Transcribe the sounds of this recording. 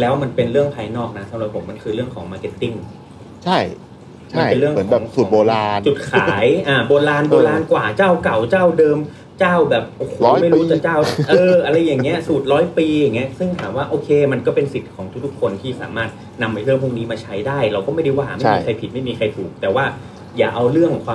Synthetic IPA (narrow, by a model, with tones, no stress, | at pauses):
lɛː˦˥wma˧npe˧nɾɯ˥˩əŋpʰaː˧jnɔː˥˩k̚na˦˥sa˨˦mɾa˨˩t̪̚ʰo˩˦mːa˧nkʰɯː˧ɾɯ˥˩əŋkʰɔː˩˦ŋmaː˧ke˦˥t̪ːi˥˩ŋ | t͡ɕʰa˥˩j | t͡ɕma˧˥˩pe˧nɾɯ˥˩əŋmɯ˦nɛː˨˦˩su˨˩˦boː˧laː˧nt͡ɕu˨˩t̪̚kʰaː˩˦jʔaː˨˩boː˧laː˧nboː˧laː˧nkwaː˨˩t͡ɕaː˥˩wka˨˩wt͡ɕaː˥˩wdɤː˧m | t͡ɕaː˥˩wbɛː˨˩p̚ʔoː˧˩kʰoː˨˦ma˥˩jɾuː˦˥t͡ɕa˨˩t͡ɕaː˥˩wʔɤː˧ʔa˧ɾa˧jːa˨˩ŋːi˦˥ɐsuː˨˩t̪̚ɾɔː˦˥jpiː˧ja˨˩ŋːi˦˥ɐsɯ˥˩ŋt̪ʰaː˩˦mwaː˥˩ʔoː˧kʰeː˧ma˧nkɔː˥˩pe˧nsi˨˩t̪̚kʰɔː˩˦ŋt̪ʰu˦˥˩t̪ʰu˥kʰːo˧nt̪ʰiː˥˩sa̰ː˩˦maː˥˩t̪̚ | na˧mʔa˧jlʰɯ˥˩əŋpʰu˥˩ŋniː˦˥maː˧t͡ɕʰa˦˥jdaː˥˩jɾa˧wkɔː˥˩ma˥˩jda˥˩jwaː˧˩˦ma˥˩jmiː˧kʰa˧jpʰi˨˩t̪̚ma˥˩jmiː˧kʰa˧jt̪ʰuː˨˩k̚t̪ɛː˨˩waː˥˩ | jaː˨˩ʔa˧wɾɯ˥˩əŋkʰwaː˧